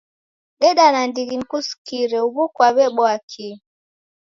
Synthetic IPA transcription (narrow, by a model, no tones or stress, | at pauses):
ɗɛɗanandiɡinkuskiɾɛuβukwaβɛɓɔakʰi